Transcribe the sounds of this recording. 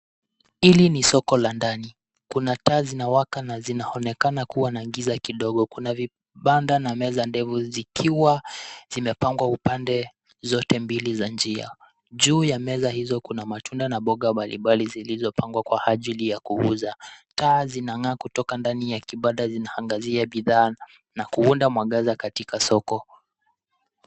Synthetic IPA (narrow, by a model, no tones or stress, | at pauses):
ilinisɔkɔlandani | kunataːzinawakanazinaɔnɛkanakuwanaŋɡizakiɗɔɡɔkunavi | ɓandanamɛzandɛfuzikʰiwaz̥imɛpaŋɡwaupandɛ | zɔtɛmbilizand͡ʒia̰ | ʄuːjamɛzahizɔkunamatʰundanaɓɔɠamaliɓalizilizɔpʰaŋɡwakwaʔaʄilijakuuzataːzinaŋaːkutɔkandanijakiɓaɗazinahaŋɡaziaɓiðaː | nakuundamwaɠazakatikasɔkɔ